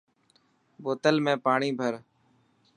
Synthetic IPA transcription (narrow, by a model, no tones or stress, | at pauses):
boːt̪əlmẽːpaːɳiːbʱəɾ